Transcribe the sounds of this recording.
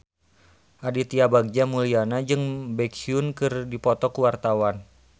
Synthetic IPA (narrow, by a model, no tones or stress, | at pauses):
ʔadit̪iabaɡ̚d͡ʒamulianad͡ʒɨŋbɛkiunkɨrdipɔt̪ɔkuwart̪awan